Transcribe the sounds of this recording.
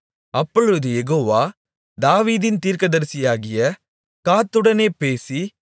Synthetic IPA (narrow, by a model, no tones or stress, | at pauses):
ɐpːɔɭɯɯðɯjɛɣoːʋaː | d̪aːʋiːðɪnt̪iːɾkɐðɐɾsɪjaːɣɪjɐ | kaːt̪ːɯɽɐneːpeːsi